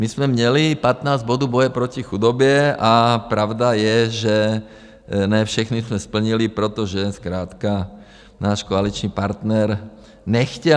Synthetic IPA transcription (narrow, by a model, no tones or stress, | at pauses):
mizmɛmɲɛlipat̪naːzɟbɔd̪ɔbɔjɛpɾɔcixud̪ɔbɪɛapɾaʊd̪ajɛʒɛ | nɛfʃɛxnizmɛspl̩ɲilipɾɛt̪ɔʒɛskɾaːt̪ka | naːʃkɔalit͡ʃniːpaɾt̪nɛɾ | ɲɛxcɛ